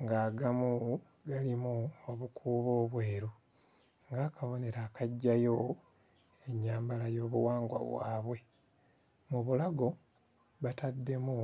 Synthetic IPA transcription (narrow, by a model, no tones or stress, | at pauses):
ŋɡaːɡamu | ɡalimuoβukʰuːβo̞ːβweːɾu | ŋɡaːkaβo̞ne̞ɾaːkaɟːajo̞ | e̞ɲːaːmbalajo̞ːβuwaːŋɡwa̰βwa̰ːβwe̞ | muβulaɡo̞ | βatadːe̞mu